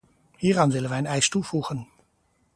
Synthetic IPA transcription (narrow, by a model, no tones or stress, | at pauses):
hiːrɑːnʋɪlənʋɛjənɛjstufuːχən